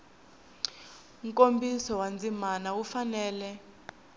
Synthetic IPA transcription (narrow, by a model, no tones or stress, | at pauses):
ŋkʼombisɔwand͡zʱimanaufanɛːlɛ